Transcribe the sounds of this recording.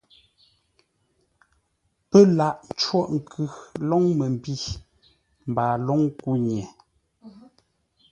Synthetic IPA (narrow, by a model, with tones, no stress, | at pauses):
pɛ˦la˨ʔn˦t͡ʃwɔ˦ʔŋ̩˨kʰʉ˨lɔ˦ŋmə˨m˨bi˦˨ | m̩˨baː˨lɔ˦ŋku˦ɲ˨ɛ˨